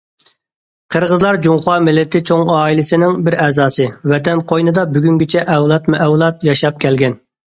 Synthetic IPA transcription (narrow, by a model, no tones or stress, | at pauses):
qʰəɾʁəzlˠɑɾd͡ʒuŋχɑmɪlːɪt̪ʰɪt͡ʃʰoŋɑːilɪsɪnɪŋbɪɾɛːzɑːsɨvɛt̪ɛnqʰojnɨd̪ɑbyɡʲyŋɡʲit͡ʃʰɛʔɛwlˠɑt̪muʔɛwlˠɑt̪jɑʃɑp̚kʲʰɛlɡʲɛn